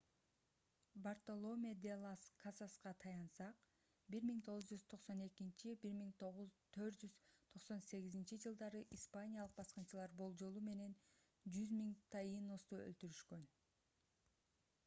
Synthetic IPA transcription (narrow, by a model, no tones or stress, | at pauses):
bart̪olˠo̞mʲed̪elˠaskʰasasqɑt̪ʰɑjɑnsɑq | biɾmiŋt̪ʰo̞ʁuzd͡ʒyz̥t̪ʰo̞qso̞ne̞kint͡ʃibiɾmiŋt̪ʰoʁut̪ʰø̞ɾt̪d͡ʒyz̥t̪ʰo̞qso̞nse̞ɣizint͡ʃid͡ʒɯlˠd̪ɑɾɯʔispanʲijalˠɯq̚bɑsqɯnt͡ʃɯlˠɑɾbo̞lˠd͡ʒo̞lˠume̞ne̞n | d͡ʒyzmiŋt̪ʰɑjino̞st̪uølt̪yɾyʃkø̞n